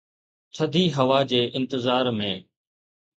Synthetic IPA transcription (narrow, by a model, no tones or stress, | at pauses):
t͡ɕʰɐd̪ʱiːɦɐʋaːd͡ʑeːʔɪ̃nt̪ɪzaːɾmẽː